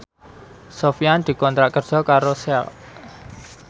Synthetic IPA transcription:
sofijand̪̥i̤kɔnt̪ɾaʔkər̥ʒ̥ɔ̤kaɾosɛ̰l

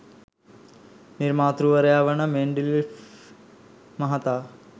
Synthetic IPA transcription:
niɾmaːt̪ɾuʋɐɾɐjaːʋɐnɐmeɳɖilif | mɐɦɐt̪aː

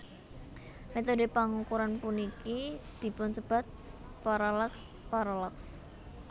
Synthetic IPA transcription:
met̪odepaŋukuɾanpunikid̪̥i̤pʊnsəb̥a̤t̪̚paɾalɛkspaɾalaks

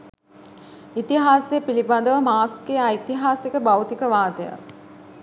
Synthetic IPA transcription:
it̪iɦaːseəpilibad̪əʋəmaːksɡeajt̪iɦaːsekəbawt̪ikəʋaːt̪əja̰

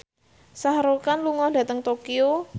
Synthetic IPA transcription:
sahɾokanluŋɔd̥ä̤t̪əŋt̪okio

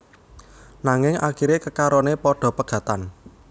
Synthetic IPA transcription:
naŋɪŋa̰kiɾekəkaɾɔnepɔɖ̥ɔ̤pəɡ̥ä̤t̪an

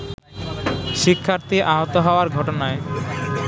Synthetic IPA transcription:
ʃikʰːaɾt̪iʔaɦɔt̪oɦɔoaɾɡʱɔʈonae

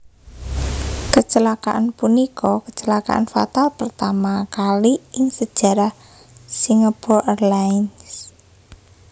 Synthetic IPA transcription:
kət͡ʃəlakaʔanpunikʰɔkət͡ʃəlaka̰ʔa̰nfa̰t̪alpərt̪amakaliʔɪŋsəd̥ʒ̥ä̤ɾah | siŋapɔʔərlaɪns

